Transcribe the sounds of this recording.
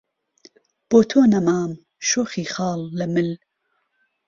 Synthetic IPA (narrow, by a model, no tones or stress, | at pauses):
b̥oːt̪ʰoːnɐmaːm | ʃoːχiːxɑːlːɐmɨl